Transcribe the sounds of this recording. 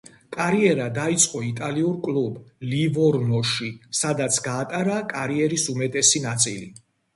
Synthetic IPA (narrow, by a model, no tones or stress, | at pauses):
kʼaɾiɛɾad̪ait̪sʼqʼɔit̪ʼaliuɾkʼlublivɔɾnɔʃisad̪at̪sʰɡaːt̪ʼaɾakʼaɾiɛɾisumɛt̪ʼɛsinat̪sʼilḭ